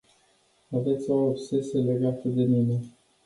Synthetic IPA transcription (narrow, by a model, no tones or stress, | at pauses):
ave̞t̪sʲoːpse̞sele̞ɡat̪əd̪e̞mine